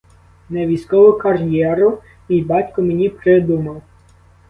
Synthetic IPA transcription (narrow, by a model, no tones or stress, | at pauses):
nɛʋʲijsʲkɔʋɔkɐrʲjɛɾʊ | ibɑtʲkɔmenʲipɾɪd̪umɐw